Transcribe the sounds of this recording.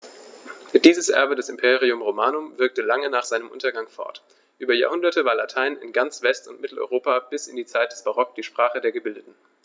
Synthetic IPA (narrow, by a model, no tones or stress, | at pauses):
d̥iːzəsʔɛ̰ɐbədɛsɪmpʰeːʁ̞iʊmʁomaːnʊmvɪɐk̚təlaŋənaːχz̥aɪnəmʔʊ̰ntɐɡaŋfɔ̰ɐt | ʔyːbɐja̰ːɐhʊndɐtəvaːɐlatʰaɪnɪ̰nɡant͡sv̥ɛstʊntmɪtl̩ɔ̰ʏʁoːpab̥ɪsɪndiːt͡saɪt̚d̥ɛsb̥aʁɔk̚d̥iːʃpʁ̥aːχədeːɐɡəbɪldətn̩